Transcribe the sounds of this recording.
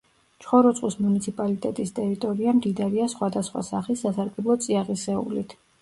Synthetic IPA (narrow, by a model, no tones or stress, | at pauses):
t͡ʃʰχɔɾɔt̪sʼqʼwismunit̪sʰipʼalit̪ʼɛt̪ʼist̪ʼɛɾit̪ʼɔɾiamd̪id̪aɾiasχwad̪asχwa̰saχisːasaɾɡɛblˠɔt̪sʼiaʁisɛṵlit̪ʰ